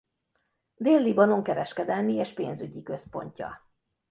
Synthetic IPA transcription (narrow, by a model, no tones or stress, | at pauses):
d̪eːlːibɒno̞ŋkɛɾɛʃkɛd̪ɛlmieːʃpḛːnzyɟikø̞spo̞̰ɲcɒ̰